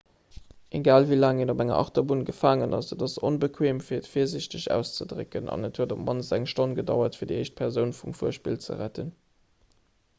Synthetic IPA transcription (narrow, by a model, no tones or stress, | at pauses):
ʔeɡaːlvilaːŋenobæŋɐ̰ʔɑ̰χtɐbunɡəfaːŋənɑ̰sədɑsonbəkʰweːmfiːɐətfiːɐzɪɕtəɕæ̰ːʊst͡sədʁə̰kənʔɑ̰nətʰhuəɐdopmɑnzæŋʃtonɡədɑ̰ʊɐtfiɐdieɪʃt̚pʰɛʁzəʊnfumfuːɐʃpḭːlt͡sə̰ʁætən